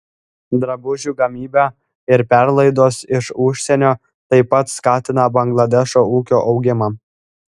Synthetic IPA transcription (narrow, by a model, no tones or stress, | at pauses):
d̪ɾɐbʊʒʲuːɡɐmʲiːbʲæ | ɪɾpʲæɾlˠɐɪd̪oːsɪʃʊʃʲsʲɛnʲoː | t̪ɐɪpɐt̪skɑːt̪ʲɪn̪ɐbɐŋɡlˠɐd̪ʲɛʃoːuːkʲoːʔɒʊɡʲɪmɑː